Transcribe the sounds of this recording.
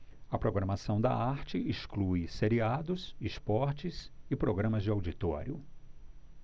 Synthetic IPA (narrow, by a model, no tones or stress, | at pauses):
ɐpɾoɡɾɐmasɐ̃w̃d̪ɐ̰aɾt͡ʃɪiʃkluiseɾiad̪ʊsispɔɾt͡ʃɪsɪpɾoɡɾɐ̃mɐzd͡ʒɪawd͡ʒit̪ɔ̰ɾjʊ